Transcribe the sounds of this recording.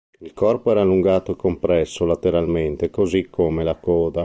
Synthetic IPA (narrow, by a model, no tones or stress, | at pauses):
ilkɔrpoɛːɾalːuŋɡaːt̪oekːompɾɛsːolat̪eɾalment̪ekozikʰːomelakɔːd̪a